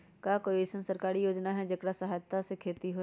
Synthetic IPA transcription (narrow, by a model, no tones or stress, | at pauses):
kakoːiesənsəɾkaːɾijoːd͡ʒnaɦɛd͡ʒɐkɽasɐɦaːjt̪ːasekʰeːt̪iɦo